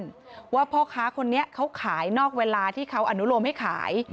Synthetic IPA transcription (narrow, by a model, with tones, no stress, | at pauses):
n | waː˧˥˩pʰɔː˧kʰaː˦˥kʰo˧nːi˦˥ɐʔkʰa˦˥wkʰaː˩˦jnɔː˥˩k̚weː˧laː˧t̪ʰiː˥˩kʰa˦˥wʔa˧nu˦˥ɾo˧mha˥˩jkʰa̰ː˩˦j